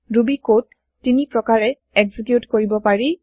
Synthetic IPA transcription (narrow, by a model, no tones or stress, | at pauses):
ɹubikotː | inipɹɔkaɹɛ | ɛɡzikjutkoɹibɔpaɹi